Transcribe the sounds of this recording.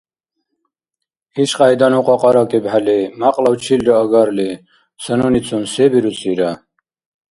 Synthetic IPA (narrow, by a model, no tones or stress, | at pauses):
iʃqʼajd̪anuqʼɔqʼɑɾɑkʼibɦalimaqʼlawt͡ʃʰilɾɔəɡaɾli | sənunit͡sʰunsebiɾut͡sʰʼiɾa